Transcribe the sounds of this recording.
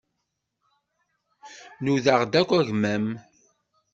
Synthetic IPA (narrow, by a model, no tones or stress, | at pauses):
nuðəʁd̪ækʷːæʝmæm